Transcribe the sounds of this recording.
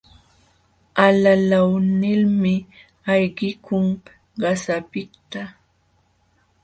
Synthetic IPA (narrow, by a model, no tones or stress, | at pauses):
alalawnɪlmɪ | ajɢɪkʰʊŋ | ɢɑsapɪt̪a